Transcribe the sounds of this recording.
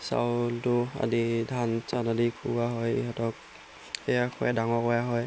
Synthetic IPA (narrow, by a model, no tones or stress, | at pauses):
sa̰ltua̰didʱansanadikʰuɡaɦɔj̰ɦɔtɔk̚ | ɛjakʰɔ̰jadaŋɔkɔjaɦɔj